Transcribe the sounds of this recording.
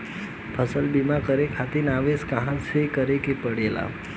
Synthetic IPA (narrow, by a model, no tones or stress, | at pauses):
pʰəsəlbimakəɾekʰat̪inaʋeskə̃ɦãsekəɾekepəɽela̰